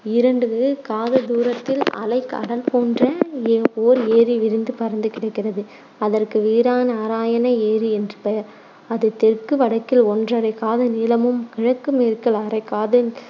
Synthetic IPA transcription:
ɪɾɐɳɖɯkaːðɐd̪uːɾɐt̪ːɪlɐ̰lɐɪka̰ːɽɐlpoːndrɐeːoːɾeːɾiʋɪɾɯnd̪ɯpɐɾɐnd̪ɯkɪɽɐɪkːɪrɐðɯ | ɐðɐrkɯʋiːɾaːnɐaːɾaːjɐnɐeːɾiɛndrɯpɛjɐɾ | ɐðɯt̪ːɛrkːɯʋɐɽɐkːɪlɔndrɐɾɐɪkaːðɐnɪlɐmɯmkɪɻɐkːɯmeːɾkɐlɐɾɐɪkːaːðɯ

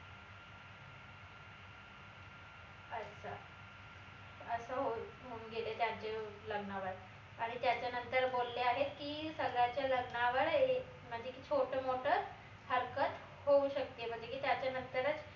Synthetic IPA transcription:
əsə | əsəɦoɦuŋɡʱelet̪jad͡ʑeləɡnaʋəɽ | aɽ̃it̪jat͡ɕjanənt̪əɾbolːeaɦet̪kiːsəɡɭjat͡ɕjaləɡɳaʋəɽe | m̤əɳd͡ʑʱekit͡ɕʰoʈʰəmoʈʰə | həɾkət̪ | houɕək̚t̪iem̤əɳd͡ʑekiːt̪jat͡ɕjanənt̪əɾət͡s

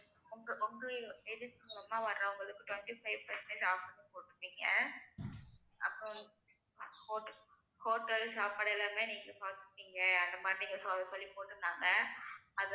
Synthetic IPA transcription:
ʊŋɡɐʔʊŋɡɯed͡ʒɪsɐmɐlɐmaːʋɐɾːɐ̃ʊŋɡɐɭɯkːɯʈʋɛɳʈifɐɪʋpɐsɛɳʈesaːfɐɾnɯ̃poːʈːɾɯʋiːŋɡɐ | ɐ̰pːɾɔ̃ | koːʈː | koːʈːɐlsaːpːɐːɽɐɪlaːmeːniːŋɡɐpaːt̪ɯɯpːiːŋɡɐɐnd̪ɐmaːt̪ːɪŋɡɐsɔsɔlːipoːʈːɯnːaːŋɡɐɐð

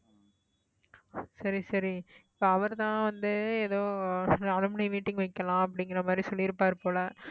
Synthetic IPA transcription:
sɐɾisɐɾiɪpːoːɐʋɐɾt̪ãːʋɐnd̪ɯeːðoːnɐlɐmɐnɪmiːʈːɪŋɡʋɐɪkːɐlãːɐp̬ːɐɽɪŋɡɪɾɐmaːd̪ɾisɔlːɪɾɯpːaːɾpoːlɐ

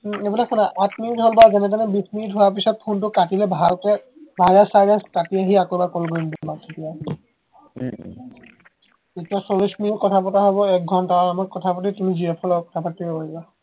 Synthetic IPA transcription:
ebɔnakʰɔnaʔatmidɦɔlbazanɛtanɛbismitɦoap̬isɔt̚pʰontʊkatilɛbʱalkɛ | bʱalasaɡaskatiaɦiakɔbakɔlɡɔindulbat̪ʰitija | etiasolismikɔtʰapɔtaɦɔβɔɛk̚ɡʱɔntaaamaɹkɔt̪ʰapat̬itumiziepʰɔlɔkɔt̪ʰapatːiɔbaba

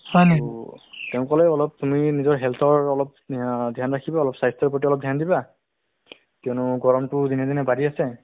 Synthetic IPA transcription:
sɔnetɛʊ̃kɔlɛɔlɔp̚tuminizɔɹɦɛlt̪ʰɔɹɔlɔp̚ | dʱjanɹakʰibaɔlɔpsajstɔɹpotiɔlɔp̚dʱjandiba | kiɔnʊɡɔɹɔmtʊdinɛdinɛbadiasɛ

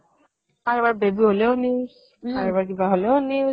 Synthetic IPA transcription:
aɹbaɹbebiɦoleʊni | aɹbaɹk̬ibaɦoleni

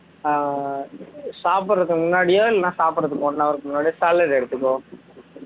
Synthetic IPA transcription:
saːpɯɾɾɐɯðkːmʊnːaːɽɪjoːɪlːɐnãːsaːpɯɾɐðɯkːõnãɐʋɐɾɯkːɯmʊnːaːɽɪjosɐlːɐɾɛɽɯt̪ːɯkːõ

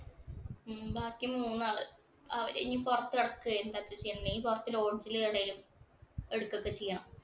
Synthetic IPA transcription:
baːkʲːimuːnːɨaːɭɨ | ɐʋɾeŋːipurɐt̪ːɨeɽɐkːɨent̪ɐt͡ɕːɐt͡ɕejɐɳnipurɐt̪ːilo̞ːɳd͡ʑileɽejilumeɽukːokːet͡ɕejːaːm

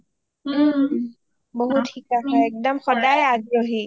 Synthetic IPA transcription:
boɦutxikaxɔɛk̚dɔmxɔdajaɡɹoɦi

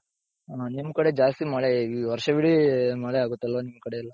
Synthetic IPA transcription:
aːnimːɐkɐɽe̞d͡ʒaːst̪imaːɭeiʋɐɾʂɐʋiɽimaːɭeaːɡut̪ːɐlʋɐnimːɐkɐɽe̞ɐlːɐ

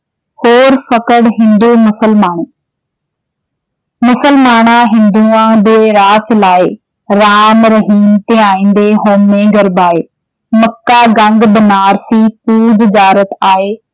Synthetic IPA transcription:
hoːɾfɐkəɽɦɪ̃nd̪umʊsəlmaːñe | mʊsəlmaːnaɦɪ̃nd̪uãb̪eɾaːt͡ɕlaːɪ | ɾaːmɾɐɦiːmt̪eaːĩːn̆d̪eɦoːmːẽːɡɐɾbaːe | mɐkːaɡɐ̃ŋɡbɪnaːɾsip̚uːd͡ʑd͡ʑaːɾət̪aːɦeː

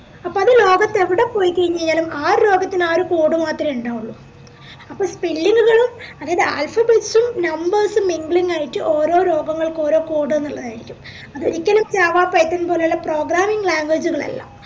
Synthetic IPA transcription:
ɐpːoːɐðɨlo̞ːɡɐt̪ːeʋiɽe̞po̞ːjikɐɻiɲːɐeɲːaːlumaːɾlo̞ːɡɐt̪ːinaːɾukoːɽɨmaːt̪rɐmuɳɖaːuɭːu | ɐpːoːɭspilːiŋɡuɣɐɭumɐðaːjɐðɨa̰ːlfɐbeʈsumnɐmbɐrsɨmiŋɡɭiŋɡaːjiʈːɨʔo̞ːɾo̞ːɾo̞ːɡɐŋːɐɭko̞ːɾo̞ːkoːɽɨenːuɭːɐðaːjiɾikʲːum | ɐðoɾikʲːɐlumt͡ɕaːʋaːpːɐjɐt̪ːɐnːɐpoːleulːɐpro̞ːɡɾaːmiŋɡlaːŋɡwed͡ʑuɣɐɭɐ̰lːɐ̰

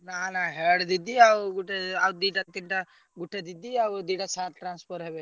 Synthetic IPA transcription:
naːnaɦeːɽd̪id̪iawɡuʈeawd̪iːʈɐt̪ːiɳʈa | ɡuʈʰːed̪id̪iawd̪iːʈasaːɾʈɾaːnspʰoɾɦebe

